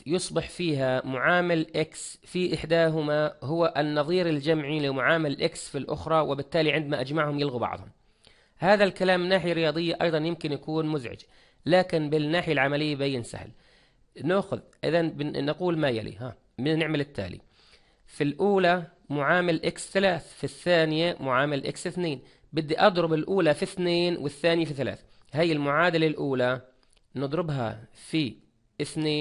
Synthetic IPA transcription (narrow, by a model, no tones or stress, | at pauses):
jʊsˤbɪħfiːɦamʊʕaːmɪlʔɪks | fiʔɪħd̪aːɦʊmahʊwaʔɪnːɑðˤiːɾɪld͡ʒamʕilɪmʊʕaːmɪlʔɪksfilʔʊ̰xɾˤɑwɪbɪt̪ːaːliʕɪnd̪maʔad͡ʒmaʕhʊmjɪlɣubɑ̰ʕðˤhʊm | haːðalkalaːmɪnːaːħɪjaɾːɪjɑːd̪ˤɨjːaʔɑ̰jðˤɑnjɪmkɪnjakuːnmʊzʕɪ̰d͡ʒ | laːkɪnbɪnːaːħɪjalʕamalɪjːabajːɪnsa̰hl | nʊʔxʊðʔɪ̰ðanbɪnaquːlmajalḭɦaː | bɪnɪʕmɪlɪt̪ːa̰ːlḭ | filʔuːla | mʊʕaːmɪlʔɪksθalaːθfiθːaːnɪjamʊʕaːmalʔɪ̰ksɪθneːn | bɪd̪ːiʔɑd̪ˤɾʊbɪlʔuːlafiθneːnwɪθːaːnɪjafiθala̰ːθ | haːjːɪlmʊʕaːd̪alalʔuːla | nɨd̪ˤɾɪbɦa̰fi | ʔɪθneː